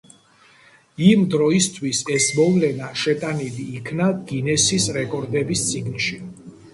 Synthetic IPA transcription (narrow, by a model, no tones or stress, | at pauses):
imd̪ɾɔist̪ʰwisɛsmɔvlɛnaʃɛt̪ʼaniliːkʰnaɡ̥inɛsisɾɛkʼɔɾd̪ɛbist̪sʼiɡnʃi